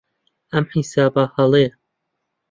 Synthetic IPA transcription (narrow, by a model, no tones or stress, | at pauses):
ɐmħisaːbahɐlˠe